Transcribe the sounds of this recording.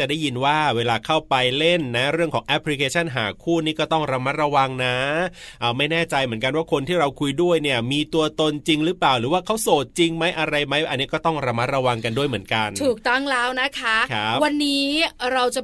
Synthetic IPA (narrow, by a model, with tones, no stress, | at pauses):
t͡ɕa˨˩daː˥˩ji˧nwaː˥˩weː˧laː˧kʰa˥˩wpa˧jle˥˩nːa˦˥ɾɯ˥˩əŋkʰɔː˩˦ŋʔɛ˦˥pʰli˧kʰeː˧t͡ɕʰa˥˩nɦa̰ː˩˦kʰuː˥˩niː˥˩kɔː˥˩t̪ɔ˥˩ŋɾa˧ma˦˥ɾa˧wa˧ŋna˦˥ʔəː˨˩ma˥˩jnɛː˥˩t͡ɕa˧jmɯ˩˦ənka˧nwaː˥˩kʰo˧nt̪ʰiː˥˩ɾa˧wkʰu˧jdu˥˩əjni˥˩əmiː˧t̪u˧ɐt̪o˧nt͡ɕi˧ŋɾɯː˦˥plaː˨˩wɾɯː˩˦waː˥˩kʰa˦˥wsoː˨˩t̪̚t͡ɕi˧ŋma˦˥jʔa˧ɾa˧jma˦˥jʔa̰˧nːiː˦˥kɔː˥˩t̪ɔ˥˩ŋɾa˧ma˦˥t̪̚ɾa˧wa˧ŋka˧ndu˥˩əjmɯ˩˦ənka˧nt̪ʰuː˨˩k̚t̪ɔ˥˩ŋlɛː˦˥wna˦˥kʰa˦˥kʰa˦˥wa˧nːiː˦˥ɾa˧wt͡ɕa˨˩